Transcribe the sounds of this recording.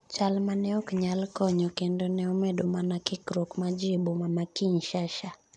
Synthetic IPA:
t͡ʃalmanɛɔkɲalkɔɲɔkendonɛɔmɛdomanakɪkɾokmad͡ʒibomamakiɲʃaʃa

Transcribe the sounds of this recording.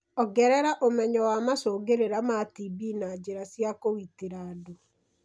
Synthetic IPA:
ɔɡɛɾɛɾaʔomɛɲɔwamasoːɡeɾeɾamatibinad͡ʒeɾasjakowiteɾaːdo

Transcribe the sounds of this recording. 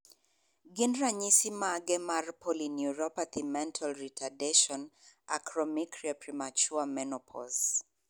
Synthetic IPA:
ɡinɹaɲisimaɡɛmarpʰɔlinjuɹɔpat̪ʰimɛ̃ntʰɔlɹitʰadɛʃɔna̰kɹɔmikɹiapɹimat͡ʃuamɛnɔpʰɔ̰lz

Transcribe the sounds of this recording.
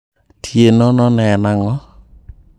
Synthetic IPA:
tʰienɔnɔnɛnaŋɔ

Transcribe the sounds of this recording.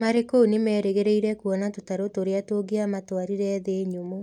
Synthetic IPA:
maɾekounemɛːɾeɣeɾeiɾɛkuɔnatotaɾotoɾeatoɡeamatwaɾiɾɛðeɲomo

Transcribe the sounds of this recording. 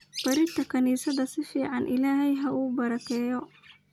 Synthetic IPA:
b̥ɐɾɪt̪ʰɐkʰɐniːsɐðɐsɪfiːʕɑnʔɪ̰laːɦɛjɦɐʔuːbɐɾɐkʰɛːjɔ

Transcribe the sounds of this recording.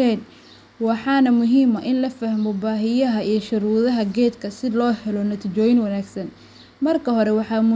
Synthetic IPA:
ɛn | wɑħɑːnɐmʊɦiːmɐʔɪnlɐfɐhmɔbaːɦɪjɐɦɐijɞʃʊɾuːðɐɦɐɡɛːd̪kʰɐsɪlɔːhɛlɔnɐt̪ʰit͡ʃɔːjɪnwɑnaːɡsɐn | mɐrkʰɐɦɔɾɛwɑħɑːmʊ

